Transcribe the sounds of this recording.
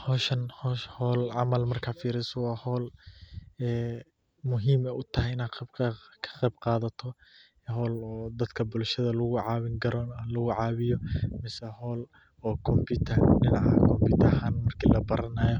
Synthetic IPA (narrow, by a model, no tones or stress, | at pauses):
hɔːʃɐnhɔːʃhɔːlʕɑmɐlmɐrkʰaːfiːɾɪsɔwɑːhɔːl | ɛː | mʊɦiːmɛjʔʊt̪ʰɐɦɛjɪnaːbkʰɐ̥qɛjbqɑːðɐt̪ʰɔ | ɦɔːlɔːd̪ɐd̪kʰɐbʊlʃɐðɐlʊɣʊʕɑːβɪŋɡɐɾɔːnɐhlɐɣʊʕɑːβɪjɔmɪsɛhɔːl | ɔːkʰɔmpɪt̪ʰɐɖɪnɑʕɐ̰kʰɔmbiːt̪ʰɐɦaːnmɐrkʰiːlɐbɐɾɐnaːjɔ